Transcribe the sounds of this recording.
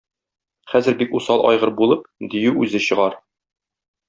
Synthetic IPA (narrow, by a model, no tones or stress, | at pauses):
χæzɘɾbikusɑlˠʔɒ̰jʁɤɾbulˠɤp̚d̪ijʉʉzɘɕɤ̆ʁɑɾ